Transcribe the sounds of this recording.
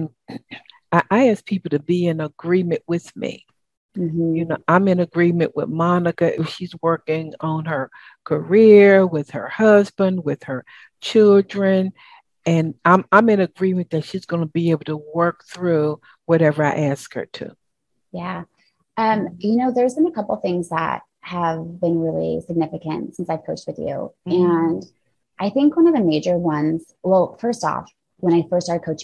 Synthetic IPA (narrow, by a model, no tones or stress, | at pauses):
aɪʔaɪæs̚pʰipl̩ˠtɨbiɨ̃nəɡɹĩmɨ̰̃nʔwɪð̥mḭ | m̥̩jɨnoʊʔãɪ̃mɨ̃nɨɡɹĩmɨ̰̃nʔwɪ̰ðmɑnɨkɨʔɨʃizwɜ˞kɪ̃ŋə̃nə˞ | kʰə˞ɪɹwɪð̥ə˞hʌzbə̃nd̚wɪð̥ə˞ | t͡ʃʰɪlˠdɹɨ̃n | ɨ̃nãɪ̃mãɪ̃mɨ̃nɨɡɹĩmɨ̃nðɨtʃizɡʌnəbieɪbl̩ˠtʰəwɜ˞k̚θɹu | wʌɾɛvə˞aɪʔæskhə̰˞tʰʉ̰ | jæ | ʔʌ̃mjɨnoʊðə˞zbɨ̃nɨkʰʌpl̩ˠθɪ̃ŋzðə̰t̚həvbɨ̃nɹɪlˠḭsɨɡ̚nɪfɨkɨ̰̃ntsɪ̃nsaɪv̥kʰoʊt͡ʃt̚wɨðjʉ̰ɨ̃n | ʔaɪθɪ̃ŋkwʌ̃ñʌvðɨmeɪd͡ʒə˞wʌ̃nz̥wɛlˠfɜ˞stɔ̰f | wə̃ɾ̃aɪfɜ˞stɑɹd̚kʰoʊt͡ʃ